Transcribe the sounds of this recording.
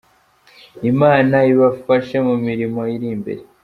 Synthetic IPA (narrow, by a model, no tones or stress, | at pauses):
imaːnaiβafaʃemumiɾimo̞iɾimbḛɾe